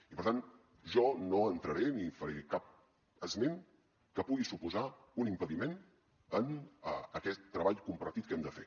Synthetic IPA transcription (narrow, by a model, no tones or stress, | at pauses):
ipəɾt̪an | ʒɔnoənt̪ɾəɾenifəɾekap̚ | əzmen | kəpuɣisupuza | unimpəðimen | ənəəkɛt̪ːɾəβaʎkumpərt̪it̪̚kɛmd̪əfḛ